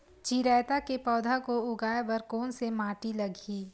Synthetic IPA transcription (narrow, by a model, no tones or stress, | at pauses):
t͡ʃiːɾɛːt̪akepɔːd̪ʱakoʊɡaːebɐɾkoːnsemaːʈilɐɡiː